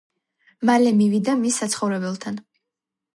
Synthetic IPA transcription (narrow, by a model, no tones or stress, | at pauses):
malɛmivid̪amisːat̪sʰχɔvɾɛbɛlˠt̪ʰan